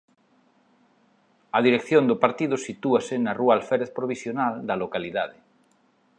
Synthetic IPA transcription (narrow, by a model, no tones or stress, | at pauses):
ɐðiɾekθjõnd̪ʊpaɾt̪iðʊsit̪uasenarualfeɾeθpɾoβ̞isjonald̪ɐlokaliðaðɪ